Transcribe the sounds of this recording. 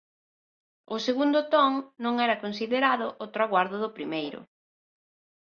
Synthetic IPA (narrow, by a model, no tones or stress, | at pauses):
ʊseɣund̪ʊt̪ɔŋnõŋɛɾɐkonsiðeɾaðʊʔot̪ɾaɣwaɾðʊðʊpɾimejɾʊ̰